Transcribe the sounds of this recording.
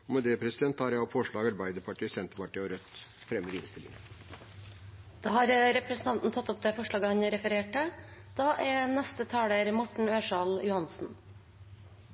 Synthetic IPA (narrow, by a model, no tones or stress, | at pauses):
ɔmɛd̪ɛːpʰɾɛsɪd̪ɛnt̪ːɑːɾjæɔfɔʂɭɑːɡɑɾbæɪd̪əɾpʰɑʈiːsɛnt̪əɾpɑʈiːɔɾœt̪ | fɾɛmːəɾɪ̰nst̪ɪlḭŋnə | d̪̥ɑːhɑːɾɾɛpɾɛsnt̪ɑnt̪n̩t̪ʰɑt̪ːʊp̚d̪ɛːfɔʂɭɑːɡəhɑnɾɛfəɾeːʈəd̪̥ɑːʔɛnɛst̪ət̪ʰɑːɽəɾmɔʈɳ̩øːʂɑljʊhɑnsn̩